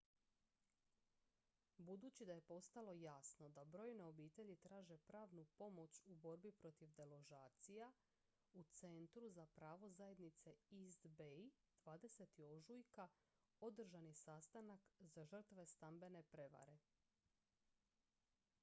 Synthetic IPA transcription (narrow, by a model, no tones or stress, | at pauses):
bud̪uːt͡ɕid̪aje̞po̞st̪alˠo̞jasno̞d̪abɾo̞jneo̞biːt̪e̞ʎit̪ɾaːʒe̞pɾaːʋnupo̞mo̞t͡ɕubo̞ɾbipɾo̞t̪iʋd̪e̞lˠo̞ʒaːt̪sija | ut̪se̞nt̪ɾuzapɾaːʋo̞zaje̞d̪nit̪se̞izd̪be | d̪̥ʋaːd̪e̞se̞t̪io̞ʒujka | o̞d̪r̩ʒanisast̪anakzaʒr̩t̪ʋe̞st̪ambe̞ne̞pɾe̞ʋa̰ɾe̞